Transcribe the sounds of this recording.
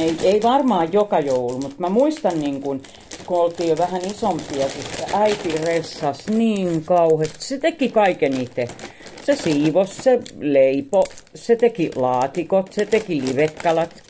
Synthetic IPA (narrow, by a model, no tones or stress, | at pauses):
eieiʋɑrmɑːjjokɑjoulumut̪mæmuist̪ɑnniːŋkun | kuolt̪iːjjoʋæhænisompiɑsit̪ːeʔæit̪iresːɑsniːŋkɑuhest̪i̥sset̪ekikɑikeniːt̪ːe | sesiːʋosseleiposet̪ekilɑːt̪ikot̪set̪ekiliʋekːɑlɑt̪